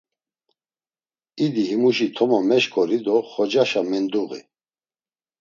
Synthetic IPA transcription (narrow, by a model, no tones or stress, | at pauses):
id̪iɦimuʃit̪ʰɔmɔmɛʃkʰʼɔɾid̪ɔχɔd͡ʒaʃamɛnd̪uɣḭ